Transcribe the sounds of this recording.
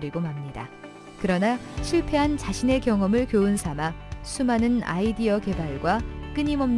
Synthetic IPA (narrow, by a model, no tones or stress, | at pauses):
ɾiɡomamɲida̰ | kɯɾʌnaɕʰiɭpʰe̞ɦant͡ɕaɕʰine̞kjʌŋʌmɯɭkjoɯnsʰamasʰumanɯna̰idiʌke̞baɭɡwak͈ɯɲimʌm